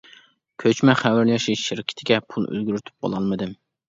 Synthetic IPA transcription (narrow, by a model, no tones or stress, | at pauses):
kʲʰøt͡ʃmɛχæwæɾjɑʃiʃɪɾɪkʲʰɪ̥t̪ʰɪɡʲɛpʰulˠø̰zɡʲyɾyt̪ʰy̥p̚qo̰lˠɑlˠmɨd̪ɪm